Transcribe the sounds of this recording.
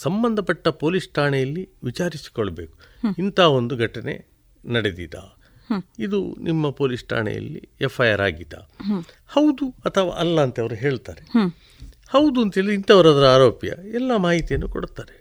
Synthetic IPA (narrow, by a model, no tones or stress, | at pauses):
sɐmbɐnd̪ʱɐpɐʈːɐpo̞ːlisʈʰaːɳɛjɐlːiʋit͡ʃaːɾisi̥kɔɭːɐbe̞ːku̥int̪ʰaːo̞nd̪uɡʱɐʈɐne̞̰ | nɐɽed̪id̪a̰ː | id̪unʔimːɐpo̞ːlisʈʰa̰ːɳɛ̰jɐ̰lːḭɛpʰːɐjaːɾa̰ːɡid̪a̰ | hɐwd̪uɐt̪ʰɐʋa̰ːʔɐlːɐːnt̪ɐʋɐɾuɦe̞ːɭt̪aːɾe | hɐwd̪uɐnt̪ɦeːɭiint̪ɐʋɐɾaːd̪ɐɾuaːɾoːpjɐ̰ɛlːɐmaːɦit̪ijɐnːuko̰ɽut̪aːɾe